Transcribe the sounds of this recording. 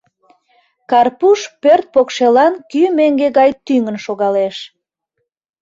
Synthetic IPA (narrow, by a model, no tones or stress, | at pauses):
kɑrpuʃpørt̪̚pokʃelɑnkymeŋɡeɣɑjt̪yŋənʃoɣɑleʃ